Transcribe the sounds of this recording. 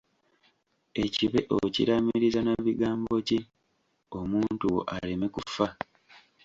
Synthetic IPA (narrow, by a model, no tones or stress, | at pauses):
e̞ciβe̞ʔo̰cḭɾamiɾizanaβiɡaːmbo̞ci | o̞muːntuwo̞̰ʔale̞me̞kufa